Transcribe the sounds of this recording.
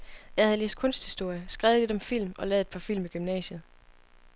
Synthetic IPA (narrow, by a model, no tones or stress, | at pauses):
jɑ̈ɪhæð̩ˠle̝ːsd̥̚kʰɔ̽n̰sd̥hisd̥o̝ɐ̰jəsɡ̥ʁaʊðˠle̝d̥ɒ̽mfil̰mɒ̽lɛːð̩ˠed̥̚pʰɑ̈fil̰miɡ̥ymnɛ̰ːɕəð̞̩ˠ